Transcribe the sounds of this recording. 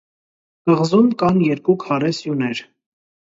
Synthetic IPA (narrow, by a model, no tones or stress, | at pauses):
ɡ̥əʁzumkɑnjɛɾkukʰɑɾɛsjunɛɾ